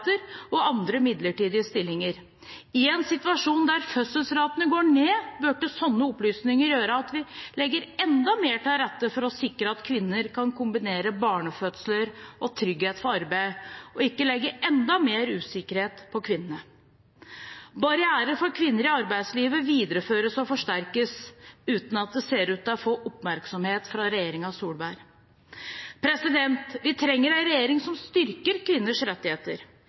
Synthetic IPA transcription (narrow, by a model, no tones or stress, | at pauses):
t̪əɾɔɑnd̪ɾəmɪd̪ləʈiːd̪ɪəst̪ɪlːɪŋəɾ | ɪɛnsɪt̪ʉɑʂuːnd̪æɾfœsəlsɾɑːt̪ənəɡoːɳeːbøːʈəsɔnːəɔplyːsnɪŋəɾjøːɾəɑt̪ʋɪlɛɡːəɾɛnd̪ɑmeːʈɪlɾɛt̪ːəfɔɾɔsɪkːɾəɑt̪kʰʋɪnːəɾkʰɑnkʰʊmbɪneːɾəbɑːɳəfœt̪sləɾʔɔt̪ʰɾʏɡheːt̪fɔɾɑɾbæɪɔɪkːəlɛɡːəʔɛnd̪ɑmeːɾʉːsɪkəɾheːt̪pʰɔkʰʋɪnːənə | bɑɾɪæːɾəɾfɔɾkʰʋɪnːəɾɪɑɾbæɪsliːʋəʋiːd̪əɾəføːɾəsɔfɔʂʈæɾkəsʉːt̪n̩ɑt̪̚d̪ɛseːɾʉːt̪ɔfoːʔɔpmæɾksɔmheːt̪fɾɑɾɛjeːɾɪŋɑsuːlbæːɾ | pʰɾɛsɪd̪ɛnt̪ʋɪt̪ʰɾɛŋːəɾænɾɛjeːɾɪŋsɔmst̪ʏɾkəɾkʰʋɪnːəʂɾɛt̪ːɪheːt̪əɾ